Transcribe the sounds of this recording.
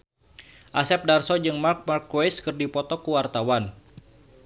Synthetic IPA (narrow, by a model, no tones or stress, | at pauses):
ʔasɛp̚darsɔd͡ʒɨŋmark̚markwejskɨrdipɔt̪ɔkuwart̪awan